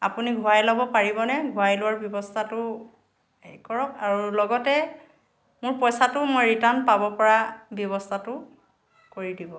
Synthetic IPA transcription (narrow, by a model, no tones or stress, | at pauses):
apuniɡʱʊajlɔbɔpaɹibɔnɛɡʱuajlʊwaɹbjɔbɔstʰatʊ | kɔɹɔk̚aɹulɔɡɔtɛ | mʊɹpɔjsatʊmɔjɹitanpabɔpɔɹabjɔβɔstʰatʊ | koɹidibɔ